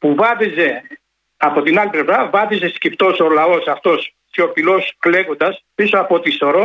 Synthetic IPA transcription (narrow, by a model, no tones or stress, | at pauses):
puvɐt̪ize̞ | ɐpo̞t̪inɐliplevɾɐvɐt̪isescipt̪o̞solɐo̞sɐft̪o̞s | t̪çofilo̞skle̞kond̪ɐspisoɐpo̞t̪iso̞ɾo